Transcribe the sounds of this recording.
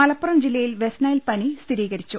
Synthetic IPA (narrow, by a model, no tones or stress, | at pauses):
ɐlɐpːurɐmd͡ʑilːɐjilʋesnaːjilpɐnit̪ʰiɾiːɣɐɾit͡ɕːu